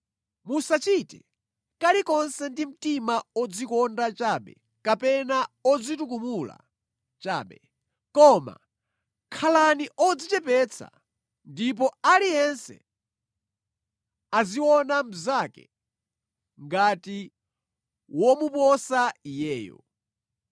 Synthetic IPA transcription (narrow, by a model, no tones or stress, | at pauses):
musat͡ʃitɛ | kalikɔnsɛndim̩timaɔd͡zikɔndat͡ʃaɓɛ̰ | kapɛnaɔd͡zitukumula̰ | t͡ʃaːɓɛ | kɔma̰ | kʰalaniʔɔd͡zit͡ʃɛpɛt͡sʰa̰ | ndip̬ɔalijɛnsɛ̰ | aziwɔnam̩zakɛ̰ | ŋɡati | wɔmupɔsaijɛːjɔ̰